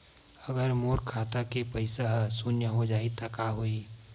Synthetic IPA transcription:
əɡəɾmoːɾkʰaːt̪akepɐɪsaɦsunjəɦod͡ʒaːit̪akaːɦoi

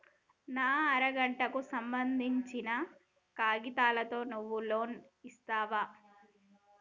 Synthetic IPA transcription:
naːɐɾɐɡɐɳʈɐkusɐmbɐnd̪ʱiɲt͡ʃinɐ | kaːɡit̪aːlɐt̪o̞ːnuʋːuloːn | ist̪aːʋaː

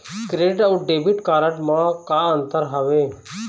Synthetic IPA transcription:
kɾeːɪʈəɖeːbiʈkaːɾəʈmãkaːənt̪əɾɦəʋeː

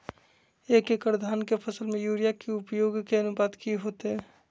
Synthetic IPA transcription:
eːkekpɾd̪ʱaːnkepʰəsəlmẽjuːɾijakeʊpjoːɡkeɐnʊpaːd̪kiɦoːt̪eɦɛː

